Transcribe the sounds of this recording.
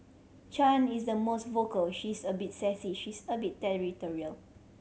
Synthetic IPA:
t͡ʃãnisdəmostvokəlʃisəbit̚sɛsiʃisəbitːɛɹitɔɹiəl

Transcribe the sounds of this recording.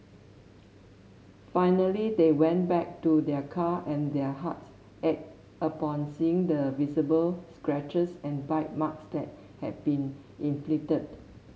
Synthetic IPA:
fãɪnəlidewɛ̃nbɛk̚tudɛkʰaʔɛ̃ndɛɦats | ʔɛk̚ | əpɔ̃nsiɪ̃ŋdəvizəbəlskɹɛt͡ʃəsɛ̃nbaɪt̚maksd̪ɛt̚ | hɛ̰d̚bĩn | ĩnflitəd̚

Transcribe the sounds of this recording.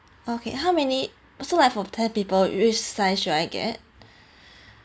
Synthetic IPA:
okʰḛɦaʊmɛni | solaɪfɔtʰɛpiːpəlwɪt͡ʃsaɪʃuɾaɪɡɛ̰t̚

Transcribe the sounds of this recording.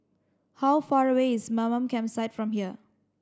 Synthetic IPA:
hawfaɹəweismamə̃mkʰɛ̃msaɪtfɹɔ̃mɦiə

